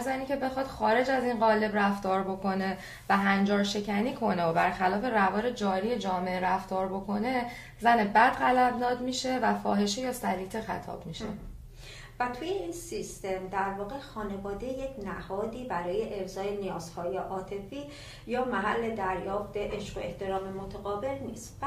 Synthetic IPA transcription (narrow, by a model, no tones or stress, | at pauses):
zæniːcʰe̞be̞xɒd̪̥xɒːɾe̞d͡ʒæziːnɢɒːle̞bræft̪ɒːɾbo̞kʰo̞ne̞ | væɦænd͡ʒɒːɾʃe̞cʰæniːkʰo̞ne̞obæɾxælɒːfe̞rævɒːɾe̞d͡ʒɒːɾije̞d͡ʒɒːme̞ʔeɾæft̪ɒːɾbo̞kʰo̞ne̞ | zænebæd̪ɣælæbnɒːd̪miːʃe̞væfɒ̰ːɦe̞ʃejɒːsæɾiːt̪ʰexæ̰t̪ʰɒ̰ːb̥miʃe̞̰ | væt̪ʰuje̞insist̪e̞md̪æɾvɒːɣe̞xɒːne̞vɒːd̪ejecʰnæhɒːd̪iːbæɾɒːjeʔebzɒːenijɒːz̥hɒːjeʔɒːt̪ʰe̞fiː | jɒːmæɦæ̰lːe̞d̪æɾjɒːft̪eʔeʃɢo̞e̞ht̪ʰe̞ɾɒːme̞mot̪ʰeɣɒːbe̞lnḭːst̪